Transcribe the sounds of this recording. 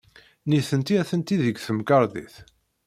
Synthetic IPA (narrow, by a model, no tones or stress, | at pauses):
niθənt̪iæθənt̪iðəɡθəmkɑɾˤðḭθ